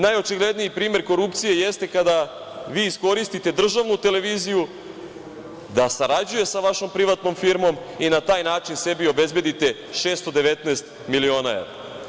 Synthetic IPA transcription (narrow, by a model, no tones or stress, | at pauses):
najo̞t͡ʃiɡle̞d̪nijipɾiːme̞ɾko̞ɾupt̪sije̞jest̪e̞kad̪a | ʋiːisko̞ɾist̪it̪e̞d̪r̩ʒaʋnut̪e̞le̞ʋiːziju | d̪asaɾad͡ʑuje̞saʋaʃo̞mpɾiʋat̪no̞mfiɾmo̞m | inat̪aːjnaːt͡ʃinse̞bio̞be̞zbe̞d̪it̪e̞ | ʃe̞ːst̪od̪e̞ʋe̞t̪neːst̪̚ | milio̞ːnaḛʋɾa̰